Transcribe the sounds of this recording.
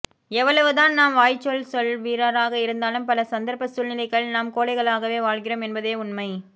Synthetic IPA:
ɛʋːɐɭɐʋɯðaːnnaːmʋaːjt͡ʃːɔɭsɔɭʋiːɾaːɾaːɣɐɪɾɯnd̪aːlɯmpɐlɐsɐnd̪ɐɾpɐsʊlnɪlɐɪɣkɐɭnaːmkoːɭɐɪɣɐɭaːɣɐʋeːʋaːɭɣɪɾoːmɛnbɐðeːʊnmɐɪ

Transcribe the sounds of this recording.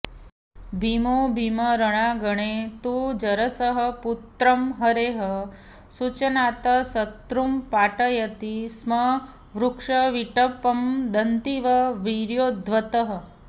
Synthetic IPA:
bʱimobʱiməɾəɽ̃aɡəɽ̃et̪ud͡ʒɐɾɐsəɦə̆put̪ɾɐmɦəɾeɦə | sut͡ʃɐnat̪ɐsɐt̪ɾumpaʈəjɐt̪ismɐ | ʋɾukʂɐʋiʈɐpɐmd̪ənt̪iʋɐʋiɾjoːd̪ʋɐt̪əɦə̆

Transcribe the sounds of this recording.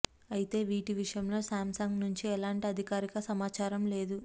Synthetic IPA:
ɐjit̪e̞ːʋiːʈiʋiʂɐjɐmlo̞ːsaːmsaŋɡnuɲt͡ʃiɛlaːɳʈiɐd̪ʱikaːɾikɐsɐmaːt͡ʃaːɾɐmle̞ːd̪u

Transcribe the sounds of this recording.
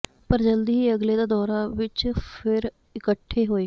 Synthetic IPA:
pəɾd͡ʒəld̪iːiːəɡleːd̪aːd̪ɔːɾaːʋɪt͡ʃpʰɪɾ | ɪkəʈʰːeːɦoːeː

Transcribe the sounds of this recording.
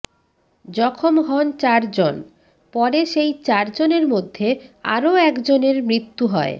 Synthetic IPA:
d͡ʑɔkʰomɦɔnt͡ɕaɾd͡ʑon | pɔɾeʃejt͡ɕaɾd͡ʑoneɾmod̪ʱːea̰ɾoɛkd͡ʑoneɾmɾit̪ːuɦɔe

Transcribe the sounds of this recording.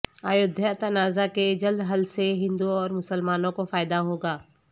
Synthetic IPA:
aːjʊd̪ʱjət̪ɐnaːzaked͡ʒɐld̪ɦɐlseɦɪ̃nd̪uɔːɾmʊsəlmaːnõkofaːɪd̪aɦoːɡaː

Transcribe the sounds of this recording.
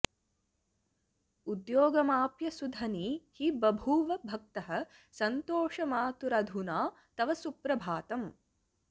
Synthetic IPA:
ud̪joːɡɐmaːpjɐsud̪ʱɐniːhibɐbʱuːʋɐbʱɐk̚t̪ɐɦɐ̆ | sɐnt̪oːʂɐmaːt̪uɾɐd̪ʱunaː | t̪ɐʋɐsupɾɐbʱaːt̪ɐm

